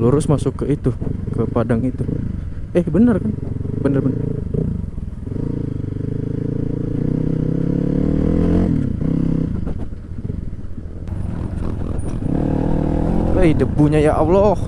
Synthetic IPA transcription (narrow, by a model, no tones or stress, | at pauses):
luɾʊsmasʊkːəit̪ukəpadaŋit̪uəhbənərkanbənərbənər | əjdəbuɲajaʔawlo